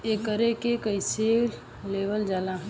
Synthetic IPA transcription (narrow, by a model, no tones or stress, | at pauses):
ekəɾekekəɪsel | leʋəld͡ʒalaɦ